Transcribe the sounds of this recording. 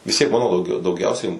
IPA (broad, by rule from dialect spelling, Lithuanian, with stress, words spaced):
ʋʲɪs tʲiɛk ˈmɑːnoː dɐʊˈɡʲɛʊ dɐʊˈɡʲɛʊsʲɛɪ